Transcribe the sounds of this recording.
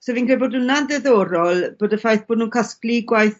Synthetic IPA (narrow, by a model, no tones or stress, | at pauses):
sevinkʰreboːdunandɛðɔːɾɔlˠb̥oːdəfajθb̥oːdnuːnkʰaskliɡwajθ